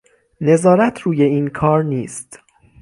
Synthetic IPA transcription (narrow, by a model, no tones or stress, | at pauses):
ne̞zɒːɾæt̪ʰɾuːje̞iːnkʰɒːɾniːst̪